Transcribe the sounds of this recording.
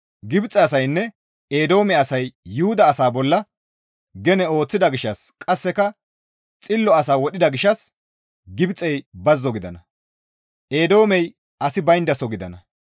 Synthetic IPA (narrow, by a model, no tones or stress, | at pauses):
ɡɪbt͡sʼːɛɐsɐjnːɛ | eːd̪o̞ːmɛɐsɐjːʊhʊd̪ɐːsaːbɔlːɐ | ɡɛnɛo̞ːt͡sːɪd̪ɐɡɪʃːɐskʼɐsːɛkɐ | t͡sʼɪlːɔɐsaːwɔɗɪd̪ɐɡɪʃɐs | ɡɪbt͡sʼːɛjbɐzːɔɡɪd̪ɐnɐ | ʔeːd̪o̞ːmɛj | ɐsɪbɐjnd̪ɐsɔɡɪd̪ɐ̰nɐ